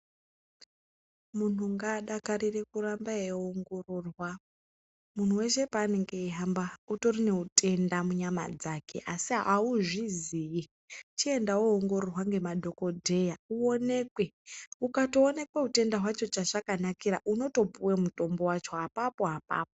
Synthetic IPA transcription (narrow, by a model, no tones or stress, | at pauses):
mun̤uŋɡaːɗakarirekuɾambaeoŋɡororwa | mun̤uwe̞ʃe̞paːneŋɡeiɦambauto̞rine̞utʰʼe̞ndamuɲama̰d͡zake̞̰ʔasiɦaauʐiziji | t͡ʃie̞ndawoːŋɡo̞rorwaŋɡe̞madʱo̞ko̞dʱe̞jauone̞kwe̞ | ukatoːne̞kwe̞ute̞ndaɦwat͡ʃo̞t͡ʃaʐakanakiɾaʔuno̞to̞puwemuto̞mbo̞wat͡ʃo̞ɦapapo̞ɦapa̰ːp̚o